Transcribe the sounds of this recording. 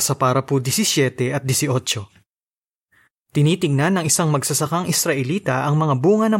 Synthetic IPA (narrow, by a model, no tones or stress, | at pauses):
sɐpaːɾɐpʊd̪ɛsɪsjɛːt̪ɛʔɐt̪̚d̪jɛsɪʔo̞t͡ʃo̞ | t̪ɪniːt̪ɪŋnɐnːɐŋɪsaŋmɐɡsɐsɐkaŋʔɪsɾɐʔɛliːt̪ɐʔɐŋmɐŋabuːŋɐnɐ